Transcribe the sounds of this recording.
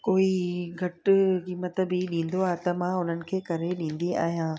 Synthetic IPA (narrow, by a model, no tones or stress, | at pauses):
koːiɡʱɐʈkiːmət̪əbiɗĩːn̆d̪oaːɦet̪ɐmãːʊn̤ənɪ̆kʰeːkɐɾeɗĩːn̆d̪ia̰ːɦijãː